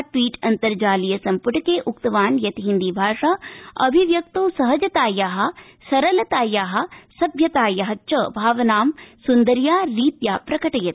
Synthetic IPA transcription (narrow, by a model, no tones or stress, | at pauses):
ʈʋiːʈɐnt̪ɐɾd͡ʒaːlijɐsɐmpuʈɐkeːʔukt̪ɐʋaːnjɐt̪iɦind̪ibʱaːʂaːɐbʱiʋjɐk̚t̪oːsɐɦɐd͡ʒɐt̪aːjaːɦɐ̆ | sɐɾɐlɐt̪aːjaːɦɐ̆sɐbʱjɐt̪aːjɐɦɐt͡ʃɐbʱaːʋɐnaːmsund̪ɐɾjaːɾiːt̪jaːpɾɐkɐʈɐjɐt̪i̥